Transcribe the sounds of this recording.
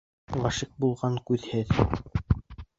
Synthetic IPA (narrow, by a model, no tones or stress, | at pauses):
lˠɑʃik̚bulˠʁɑŋkʉðhɘð